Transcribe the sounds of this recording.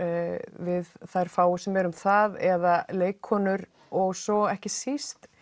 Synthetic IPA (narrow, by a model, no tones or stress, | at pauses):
vɪðθajɾ̥faːwʏsɛmɛɾʏmθaðɛðaleːjkʰhɔːnʏɾ | ɔɣsɔɛhcɪsist̪